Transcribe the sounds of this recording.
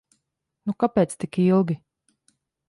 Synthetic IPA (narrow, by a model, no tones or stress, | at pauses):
nukapeːt̪st̪ikilˠɡʲi